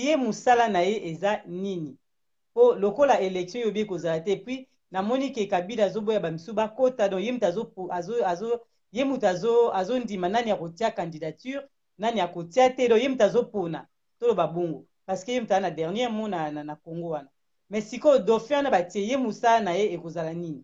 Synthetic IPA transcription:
jemusalanajeʔezanini | polokolaelɛksjɔ̃jobiekozalatɛpwi | namɔnikekabilazobojabamisubakotadɔ̃jemutazopazazo | jemutazoazondimananijakotiakãndidatyʁ | nanijakotiatɛdɔ̃kjemutazopona̰ | tolobaboŋɡo | paʁskejemutznadɛʁnjɛʁmɔnananakoŋɡowana | mɛsikodofɛwnabatiejemusalanajeekozalanini

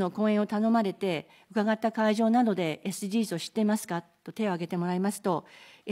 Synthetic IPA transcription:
no̞kõ̞ːẽ̞ɰ̃ot̪ano̞maɾe̞t̪e̞ | ɯ̟kaɡat̪ːakaiʑo̞ːnad̪o̞d̪e̞ːsɨdʲiːsɨo̞ɕi̥t̪ːeimasɨ̥katt̪ːo̞t̪e̞o̞aɡe̞t̪e̞mo̞ɾaimasɨ̥t̪o̞

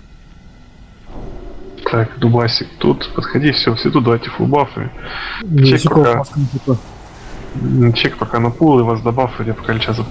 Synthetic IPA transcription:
t̪ʰakd̪ʊbasʲɪkt̪ut̪pət̪xɐdʲifsʲofsʲɪd̪ud̪ɐvajʲtʲɪfʊ̰bˠafɨ̰ | t͡ʃekpɐkansikɐ | t͡ʃejkpɐkanɐpulˠɨvasd̪ɐbafɨdʲjapɐ̥kalʲɪt͡ɕas

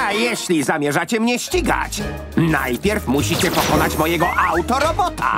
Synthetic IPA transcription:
ajɛɕlʲizamʲjɛʐat͡ɕɛmɲɛɕt͡ɕiɡa̰t͡ɕ | na̰jpʲjɛɾfmuɕit͡ɕɛpɔkɔnat͡ɕmɔjɛɡɔʔawt̪ɔɾɔbɔt̪a̰

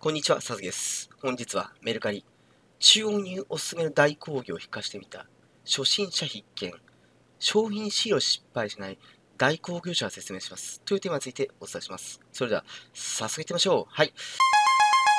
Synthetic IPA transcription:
ko̞ɲ̟ːit͡ɕiβa̰sazɨɡʲid̪esɨ̥hõ̞ɲ̟d͡ʑit͡sɨβ̞a̰me̞ɾɯ̟kaɾʲi | t͡ɕɨːo̞ɲ̟ʲɨːʔo̞sɨ̥sɨŋe̞nod̪aikʰo̞ːɡʲoːçi̥kːaɕi̥t̪e̞mʲit̪a̰ | ɕo̞ɕĩɰ̃ɕaçikːẽ̞̰ŋ | ɕo̞ːçʲĩɰ̃ɕiɾo̞ɕi̥pːaiɕinai | d̪̥aiko̞ːɡʲo̞ːɕaɡase̞t͡sɨme̞ːɕimasɨ̥t̪ojɯ̟ːt̪emaɲit͡sɨit̪e̞o̞t͡sɨ̥t̪aiɕimasɨ̥so̞ɾed̪e̞a̰sasɨɡet̪e̞maɕo̞ːhai

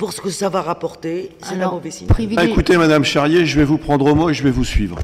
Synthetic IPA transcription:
puʁsə̥kəsavaʁapɔʁt̪esɛabovɛsiivekut̪emad̪amʃaʁjeʒəvɛvupχɑ̃d̪ʁomoeʒəvɛvusɥiːvʁə

